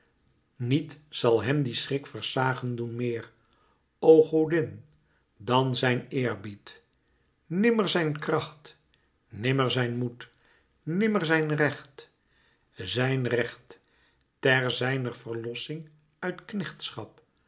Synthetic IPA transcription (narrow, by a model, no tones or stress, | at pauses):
nitsɑlˠɦɛmdisrɪkfəɹsaːχəndunmɪːr | owχowdɪn | dɑnzɛjnɪːɹbit | nɪməɹzɛjnkrɑχt | nɪməɹzɛjnmut | nɪməɹzɛjnrɛχt | zɛjnrɛχt | tɛɹzɛjnərvəɹlɔsɪŋ | œɥtknɛχtsχɑp̚